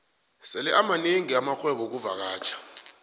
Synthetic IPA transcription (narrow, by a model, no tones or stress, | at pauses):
sɛlɛʔamaneŋiamaxwɛɓɔk̬uvak̬aːt͡ʃʰḁ